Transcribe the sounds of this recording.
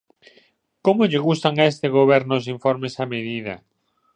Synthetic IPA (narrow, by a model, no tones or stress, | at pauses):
komoʎɪɣust̪aŋaest̪eɣoβɛɾnosiɱfoɾmesameðiðɐa̰